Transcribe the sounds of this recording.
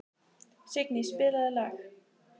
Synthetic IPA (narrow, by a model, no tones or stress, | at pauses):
sɪknispɪləlax